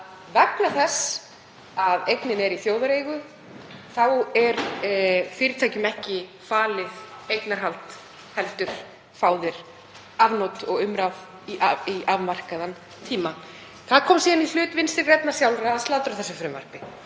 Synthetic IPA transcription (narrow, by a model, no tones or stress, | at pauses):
vɛklaθɛsː | aðejknɪnɛɾiθjoːwðaɾeːjɣʏ | θawɛɾ | fɪːɾɪt̪ʰajcʏmɛhcɪ | faːlɪðejt̪naɾ̥ɦalt̪ | hɛlt̪ʏɾ̥ | fawðɪɾ̥ | avnowt̪ɔɣʏmɾav | iʔaiʔavmar̥kaðan | t̪ʰiːma | θaðkʰɔːmsiːðanil̥ʏːt̪vɪnst̪ɪɾrɛp̪nasjawlɾaːðst̪awt̪ɾaθɛsʏfɾɪmva̰r̥pɪ